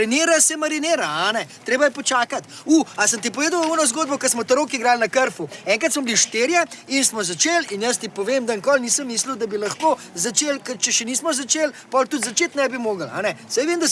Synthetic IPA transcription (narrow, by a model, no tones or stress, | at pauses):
ɾineːɾasɛmaɾineːɾaanɛt̪ɾeːbajɛpɔt͡ʃaːkat̪uːasəmt̪ipɔʋeːd̪ɐwunɔzɡoːd̪̚bɔkɐsmɔt̪ɐɾoːkiɡɾaːlnɐkəɾfuɛːŋkɐt̪smɔbliʃt̪eːɾjainsmɔzat͡ʃeːlinjəs̬t̪ipɔʋeːmd̪aŋkɔlniːsəmːiːsliwd̪ɐbilɐxko | zat͡ʃeːlkət͡ʃɛʃɛniːsmɔzat͡ʃeːlpɔlt̪ut̪zat͡ʃeːt̪nɛbimoːɡəla̰nɛsajʋemd̪a